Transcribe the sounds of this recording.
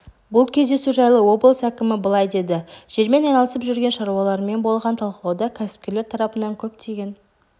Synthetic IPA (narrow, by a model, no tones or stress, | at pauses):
bʊlˠkʲʰe̞zd̪e̞suʒɑjlˠəwo̞blˠəsækʲɪmɪbəlˠɑjd̪e̞d̪ɪʒ̥e̞ɾme̞nɑjnɑlˠəsəpʒʏɾɡʲenʃɑɾuwɑlˠɑɾəme̞nbo̞lˠʁɑnt̪ʰɑlˠqəlˠɑwd̪ɑkʲʰæsɪ̥p̚kʲe̞ɾle̞ɾt̪ʰɑɾɑpənɑŋkʲʰɵp̚t̪ʰeɡʲe̞n